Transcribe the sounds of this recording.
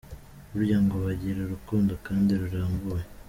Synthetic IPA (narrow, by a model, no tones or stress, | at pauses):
ɾuɾjaːŋɡoβaɟiɾeɾukuːndokaːndiɾuɾaːmbuwe